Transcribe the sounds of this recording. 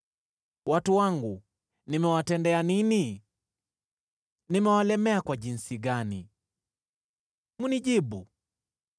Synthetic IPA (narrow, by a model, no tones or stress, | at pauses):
watuwaŋɡu | nimɛwatɛndɛanini | nimɛwalɛmɛakwaʄinsiɡani | muniʄiɓu